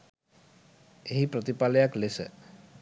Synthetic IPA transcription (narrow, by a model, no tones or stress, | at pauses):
eɦipɾɔt̪ipalɛjaklesə̰